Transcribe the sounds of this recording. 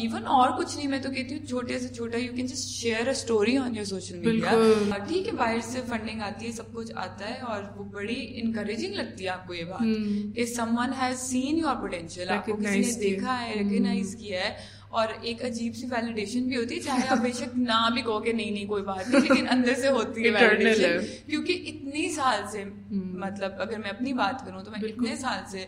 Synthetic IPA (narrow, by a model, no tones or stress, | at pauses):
iːʋənɔːɾkʊt͡ʃʰnɐɦĩmɛ̃ːt̪okɛɦt̪iɦũt͡ʃʰoːʈeset͡ʃʰoːʈajuːkɛ̃nd͡ʒɐsʈʃeːɾəsʈoːɾiɔ̃ːnjɔːɾsoːʃəlmiɪɖijaʈʰiːkɦɛbaːɦɪɾsefɐ̃ɳɖɪ̃ŋɡaːt̪iɦɛsɐb̚kʊt͡ʃʰa̰ːt̪aɦɛɔːɾʋobɐɽiɛ̰̃nkɐɾed͡ʒɪ̃ŋɡlɐɡ̚t̪iɦɛaːp̚kojebaːt̪kesɐ̃mwɐ̃nɦɛzsĩːnjuɔːɾpoʈɛ̃nʃəlaːp̚kokɪsied̪eːkʰaɦɛɾɛkəɡnaɪzkiaɦɛ | ɔːɾeːkɐd͡ʒiːbseʋɛːlɪɖeːʃənbʱiɦoːt̪iɦɛt͡ʃaːɦeaːp̚beːʃək̚nabʱikɔːkenɐɦĩnɐɦĩkoːibaːt̪ːɛleːkɪnɐ̃nd̪əɾseɦoːt̪iɦɛ̃ʋɛːlːɪɖeʃ | kjõːkiʔɪt̪nesaːlse | mɐt̪ləbɐɡəɾmɛ̃ɐp̚nibaːt̪kɐɾũt̪omɛ̃ɪt̪nesaːlse